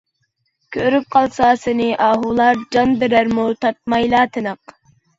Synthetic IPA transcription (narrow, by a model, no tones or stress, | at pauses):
kʲʰøɾyp̚qʰɑlˠsɑːsɨnɨʔɑːɦulˠɑɾd͡ʒɑnd̪ɪɾæɾmult̪ʰɑt̪̚mɑjlˠɑːt̪ʰɨnəq